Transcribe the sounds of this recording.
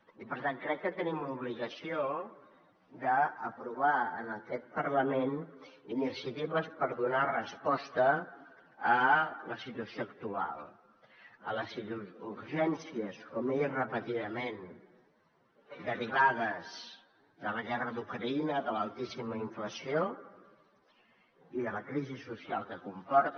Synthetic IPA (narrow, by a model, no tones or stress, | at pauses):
ipəɾt̪aŋkɾɛkːət̪ənimluβliɣəsio | d̪əəpɾuβaə̰nəkɛt̪̚pəɾləmeninisjət̪iβəspəɾðunarəspɔst̪əː | ləsit̪uəsioək̚t̪ua̰lˠ | ə̰ləziuɾʒɛnsiəskɔmerəpət̪iðəmen | d̪əɾiβ̞aðəz | ðələɣɛrəðukɾəinəðələlˠt̪isiməiɱfləsio | iðələkɾizisusialˠkəkumpɔɾt̪